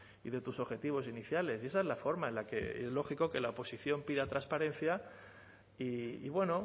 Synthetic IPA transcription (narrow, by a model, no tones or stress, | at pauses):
iðe̞t̪uso̞ɣxe̞t̪iβ̞o̞siniθjale̞sie̞s̬aezlafo̞ɾmaenlake̞̰ezlo̞xiko̞ke̞laopo̞siθjo̞mpiðat̪ɾaspaɾẽ̞n̟θja | iḭβwe̞no̞